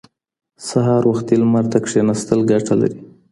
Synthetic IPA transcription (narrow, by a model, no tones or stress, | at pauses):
saɦɑɾwaxt̪ilmaɾt̪akʂenast̪əlɡaʈʰala̰ɾi